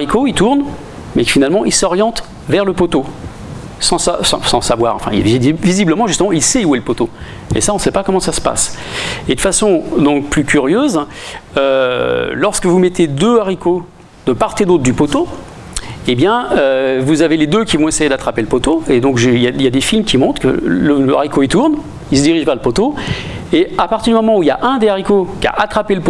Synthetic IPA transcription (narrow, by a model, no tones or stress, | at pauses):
ʁikoit̪uʁn | mɛfinalmɑ̃ʔilsɔʁjɑ̃t̪ | vɛʁləpot̪o | sɑ̃sa̰sɑ̰̃sɑ̃savwa̰ːʁɑ̰̃fɛ̰̃ḭlvivizibləmɑ̃ʒyst̪əmɑ̃ilsɛuɛlpot̪o | ḛsaɔ̃sɛpakɔmɑ̃sasə̥pa̰sed̪əfasɔ̃d̪ɔ̃k̚plykʲyʁjøzølɔʁskəvumɛt̪ed̪øaʁiko | d̪əpaʁt̪ed̪ot̪χd̪ypot̪o | ebjɛ̃øvuzaveled̪økʲivɔ̃esejed̪at̪χapeləpot̪oed̪ɔ̃kʒəiljaljad̪efilmkʲimɔ̃t̪χkə̰ləla̰ʁikoit̪uʁn | ils̬əd̪iʁiʒvɛʁləpot̪o | eapaʁt̪iʁd̪ymɔmɑ̃uiljaʔɛ̃d̪eaʁikokʲa̰ʔat̪χapeləpo